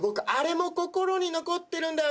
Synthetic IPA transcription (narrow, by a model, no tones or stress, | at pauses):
bo̞kɯ̟ʔaɾe̞mo̞ko̞ko̞ɾo̞ɲ̟ino̞ko̞t̪ːe̞ɾɯ̟̃nd̪a